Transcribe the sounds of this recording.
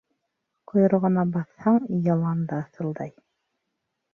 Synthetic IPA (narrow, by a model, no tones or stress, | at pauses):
qʰŏjɤ̆ɾʁɤ̆nɑbɑθhɑɴjɑlˠɑnd̪ɑːθɤ̆lˠd̪ɑj